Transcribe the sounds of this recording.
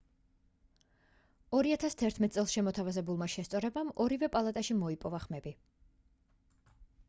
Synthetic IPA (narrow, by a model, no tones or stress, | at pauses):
ɔɾiat̪ʰast̪ʰɛɾt̪ʰmɛt̪ʼsʼɛlˠsʃɛmɔt̪ʰavazɛbulˠmaʃɛst̪sʼɔɾɛbamɔɾivɛpʼalˠat̪ʼaʃimɔipʼɔvaχmɛbi